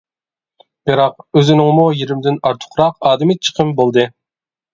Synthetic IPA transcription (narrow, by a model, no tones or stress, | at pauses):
b̥iɾɑq̚øzynɪŋmujiɾɪmd̪ɪnɑɾt̪ʰʊ̥χɾɑqɑːd̪ɪmɪt͡ʃʰə̥qʰəmbolˠd̪ɨ